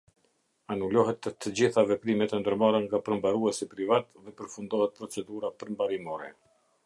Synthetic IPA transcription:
anulɔɦɛt̪ːt̪ːəd͡ʑiθavɛpɾimɛt̪ənd̪əɾmaɾəŋɡapəɾmbaɾuɛsipɾivat̪ðɛpəɾfund̪ɔhɛt̪̚pɾɔt͡sɛd̪uɾapəɾmbaɾimɔɾɛ

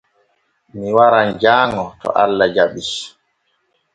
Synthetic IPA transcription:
miwaɾand͡ʒaːŋɔtɔ̰ʔalːad͡ʒaɓis

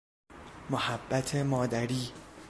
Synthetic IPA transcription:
mohæbːæt̪ʰe̞mɒːd̪æɾiː

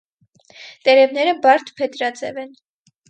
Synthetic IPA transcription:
t̪ɛɾɛvnɛɾəbɑɾt̪ʰpʰɛt̪ɾɑd͡zɛ̰vɛn

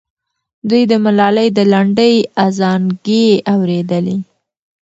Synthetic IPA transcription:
d̪ujd̪əmalɑləjd̪əlaɳɖəjazɑnɡeawɾed̪əle

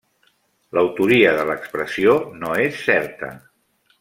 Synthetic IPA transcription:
ləwt̪uɾiəðələkspɾəsionoesːɛɾt̪ə̰

